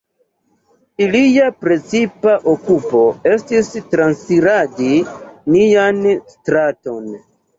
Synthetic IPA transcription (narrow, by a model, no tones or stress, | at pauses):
ilijapɾe̞t͡sipaʔokupo̞e̞stistɾansiɾadinijanstɾato̞n